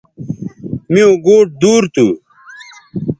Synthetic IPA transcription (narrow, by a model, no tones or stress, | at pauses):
miõɡoːʈ̚d̪uːɾt̪u